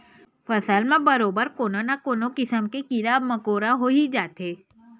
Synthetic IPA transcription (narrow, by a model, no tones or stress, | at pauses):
fəsaːlmãbəɾobəɾkononakonokɪsəmkekiɾabməkoɾaɦoid͡ʒat̪e